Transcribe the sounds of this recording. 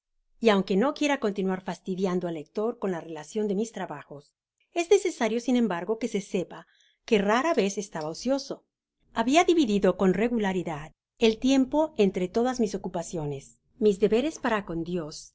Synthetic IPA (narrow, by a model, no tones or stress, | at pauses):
iawŋke̞no̞kje̞ɾako̞nt̪inwaɾfast̪iðjand̪oalek̚t̪o̞ɾko̞nlare̞lasjo̞nd̪e̞mist̪ɾaβaxo̞s | e̞zne̞se̞saɾjo̞sinẽ̞mbaɾɣo̞ke̞se̞se̞pa | ke̞raɾaβe̞se̞st̪aβaosjo̞so̞ | aβiaðiβiðiðo̞ko̞nre̞ɣulaɾiðað | e̞lt̪je̞mpo̞e̞nt̪ɾe̞t̪o̞ðazmisokupasjo̞ne̞s | mizðe̞βe̞ɾe̞spaɾako̞nd̪jo̞s